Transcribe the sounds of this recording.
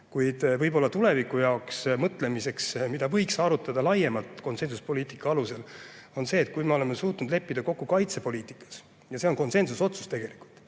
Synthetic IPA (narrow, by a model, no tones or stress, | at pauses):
kujd̪̥vɤjbo̞lːɑt̪ule̞vikːˑujɑoksmɤt̪ːˑle̞mise̞ksmid̪̥ɑvɤ̞jksɑːɾut̪ːˑɑd̪̥ɑlɑjemɑlt̪ˑko̞nse̞nsuspo̞liːt̪ˑikːˑɑɑluse̞lo̞nse̞ːt̪̚kujme̞o̞le̞mesuːt̪ˑnud̪le̞pːid̪ɑko̞kːukɑjt̪se̞po̞liːt̪ˑikːˑɑ̥s | jɑse̞onko̞nse̞nsuso̞t̪su̥st̪e̞ɡ̥e̞liku̥lt̪